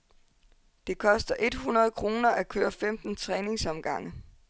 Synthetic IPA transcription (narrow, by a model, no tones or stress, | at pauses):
d̥e̝kʰɒ̽sd̥ɐʔe̝d̥hunɐð̞̩ˠkʰʁo̝ːnɐʔækʰøːɐfemd̥n̩t͡sʰʁɛːne̝ŋsɒ̽mɡ̥ɑ̈ŋ̰ə